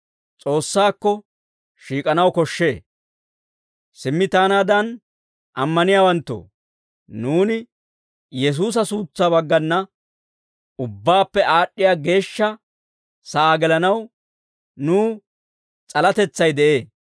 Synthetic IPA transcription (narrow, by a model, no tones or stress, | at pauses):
t͡sʼo̞ːsːaːkːɔ | ʃiːkʼɐnɐwkɔʃːe̞ː | sɪmːɪt̪aːnaːd̪ɐn | ʔɐmːɐnɪjaːwɐnt̪ːo̰ː | nuːnɪ | jɛs̬uːs̬ɐsuːt͡sːaːbɐɡːɐnːɐ | ʊbːaːpːɛʔaːɗːɪjaːɡe̞ːʃːɐ | sɐaːɡɛlɐnɐw | nuː | t͡sʼɐlɐt̪ɛt͡sːɐjd̪ɛʔe̞ː